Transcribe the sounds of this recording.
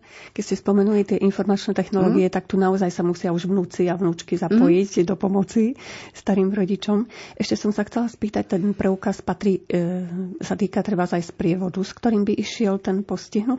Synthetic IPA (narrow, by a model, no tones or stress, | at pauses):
kɛcscɛspɔmɛnulit̪ɪɛʔinfɔɾmat͡ʃnɛt̪ɛxnɔlɔːɡiɛt̪ak̚t̪unaɔzajsamusɪauʒʋnuːt͡siaʋnuːt͡ʃkizapɔjiɟd̪ɔpɔmɔt͡sist̪aɾiːmɾɔɟit͡ʃɔmʔɛʃcɛsɔmsaxt͡sɛlaspiːt̪ac̚t̪ɛnpɾʔɛukaspat̪ɾiː | sat̪iːkat̪ɾɛbazajspɾɪɛʋɔd̪uskt̪ɔɾiːmbiʔiʃɪɛlt̪ɛnpɔsciɦnut̪